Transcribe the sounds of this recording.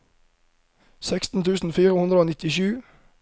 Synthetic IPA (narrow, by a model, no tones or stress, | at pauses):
sɛkst̪n̩t̪ʰʉːsn̩fiːʁəhʉnd̪ʁəoːnɪt̪ɪʃʉː